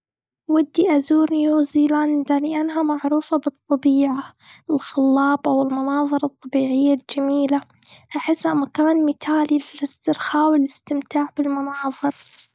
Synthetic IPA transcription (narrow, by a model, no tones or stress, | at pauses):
wad̪ːiʔazuːɾnjoːziːland̪alɪʔanɦamaʕɾuːfabɨt̪ˤːɑbiːʕa | wɪlxʊlːɑːbʔawɪlmʊnɑːðˤɨɾˤɑt̪ˤːɑbiːʕɪjːald͡ʒamiːla | ʔaħɪsːhamakaːnmɪt̪aːlilɪlɪst̪ɪɾxaːwɪlɪst̪ɪmt̪aːʕbɪlmʊnɑːðˤɨɾ